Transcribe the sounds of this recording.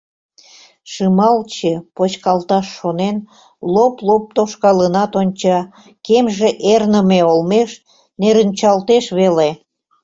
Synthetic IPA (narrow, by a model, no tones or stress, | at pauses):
ʃɯmɑlt͡ɕepot͡ɕkɑlt̪ɑʃːonen | loplop̚t̪oʃkɑlənɑt̪onʲt͡ɕɑ | kemʒeʔernəmeolmeʃ | neɾənʲt͡ɕɑlt̪eʃβele